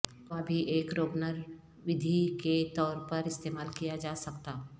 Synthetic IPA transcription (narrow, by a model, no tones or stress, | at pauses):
abʱiʔeːkɾoːbnəɾ | ʋɪd̪ʱiket̪ɔːɾpɐɾɪst̪eːmaːlkijad͡ʒaːsɐkt̪aː